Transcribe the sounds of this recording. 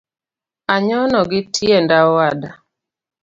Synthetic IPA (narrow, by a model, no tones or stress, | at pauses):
aɲɔnɔɡɪtʰjendawada